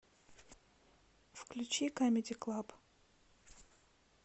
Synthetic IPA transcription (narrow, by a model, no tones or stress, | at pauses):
fklʲʉt͡ɕikamʲɪdʲɪklˠap